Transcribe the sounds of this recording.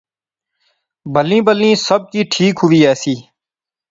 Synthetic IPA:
bəlĩːbəlĩːsəb̚kiːʈʰiːkɦʊʋiːɛːsiː

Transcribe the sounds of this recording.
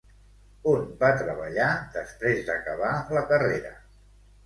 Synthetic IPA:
unbat̪ɾəβəʎad̪əspɾezd̪əkəβaləkəreɾə

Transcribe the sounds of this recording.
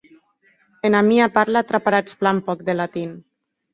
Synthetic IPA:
enamiapaɾlat̪ɾapaɾat͡splampɔk̚d̪elat̪in

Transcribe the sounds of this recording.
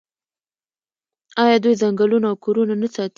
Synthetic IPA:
ɑjɑd̪ujzaŋɡalunaːwkoɾunanasɑt̪

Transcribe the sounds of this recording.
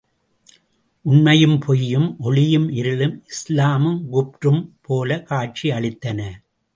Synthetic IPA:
ʔʊnmɐjɯmpʰɔjːɯmʔɔɭɪjɯmɪɾɪlɯmɪslaːmɯmɡʊp̚ʈɯmpʰoːlɐkaːʈ̚t͡ʃiɐɭɪt̪ːɐnɐ

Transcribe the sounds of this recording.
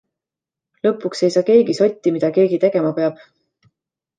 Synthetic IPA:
lɤpːˑukse̞jsɑːke̞ːɡiso̞t̪ʲːimid̪̥ɑke̞ːɡ̥it̪e̞ɡ̥e̞mɑpe̞ɑb̥

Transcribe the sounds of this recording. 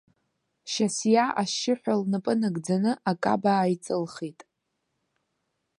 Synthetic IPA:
ʃasjaʔaʃɪħʷᶣalnɨpʼɨnɨɡd͡zanɨʔakʼa̰baːjt͡sʼɨlχitʼ

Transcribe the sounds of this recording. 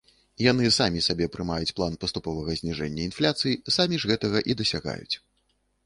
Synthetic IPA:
jan̪ɨsamʲisabʲɛpɾɨmajut͡sʲplˠanpɐst̪upɔvɐɣɐzʲnʲiʐɛnʲːɐinflʲat̪sɨjisamʲiʐɣɛt̪ɐɣɐʔid̪ɐsʲaɣa̰jṵt͡sʲ

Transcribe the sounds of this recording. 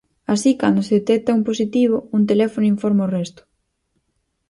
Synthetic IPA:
asikand̪ʊseðet̪ɛk̚t̪aumposit̪iβ̞ʊunt̪̬elɛfonʊiɱfɔɾmaorɛst̪ʊ̥

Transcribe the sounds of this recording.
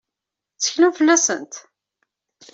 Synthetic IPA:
t͡sːə̥çnufəlːæsə̰nt̪

